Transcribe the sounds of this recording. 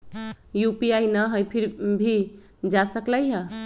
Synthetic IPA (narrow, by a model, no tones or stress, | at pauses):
jupiajnəɦəjpʰiɾbʱi | d͡ʒasəklajɦə